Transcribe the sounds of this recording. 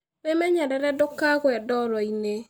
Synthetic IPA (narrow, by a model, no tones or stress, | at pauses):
memɛɲɛɾɛɾɛdokaɣoɛdɔɾɔine